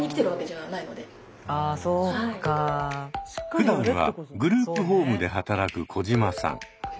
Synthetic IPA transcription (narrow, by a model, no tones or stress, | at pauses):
ɲʲikʲi̥t̪eɾɯ̟βake̞ʑaβanaino̞d̪e̞ | aai | ɯ̟d̪ãɰ̃β̞a̰ɡɯ̟ɾɯːpɯ̟ɦo̞ːmɯ̟d̪e̞ɦat̪aɾakɯ̟kʰo̞ʑimasã̰ŋ